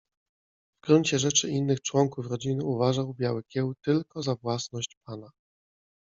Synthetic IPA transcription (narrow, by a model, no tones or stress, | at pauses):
vɡɾuɲt͡ɕɛʐɛt͡ʂɘinːɘxt͡ʂwɔŋkufɾɔd͡ʑinɘuvaʐawbʲjawɘkʲɛwt̪ɘlkɔzavwasnɔɕt͡ɕpana